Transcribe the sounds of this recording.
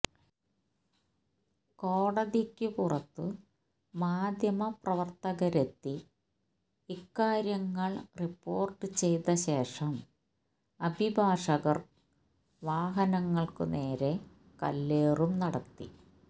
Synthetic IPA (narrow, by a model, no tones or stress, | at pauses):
ko̞ːɽɐðikʲːɨpurɐt̪ːɨ | maːd̪ʱjɐmɐprɐʋɐrt̪ɐɣɐɾet̪ːi | ikːaːɾjɐŋːɐɭripːo̞ːrʈːɨt͡ɕe̞jt̪ɐɕe̞ːʂɐm | ɐbʱibʱaːʂɐɣɐr | ʋaːɦɐnɐŋːɐɭkɨneːɾe̞ | kɐ̰lːeːrumnɐɽɐt̪ːḭ